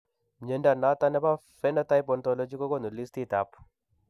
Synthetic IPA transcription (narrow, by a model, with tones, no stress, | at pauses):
mɲe˨˦nda˨na˦ta˦nɛ˦ba˦fɛ˦na˦ta˦jp̬ɔ˨ntɔ˦lɔ˦d͡ʒi˦kɔ˦kɔ˦nu˨li˦sti˦ta˨p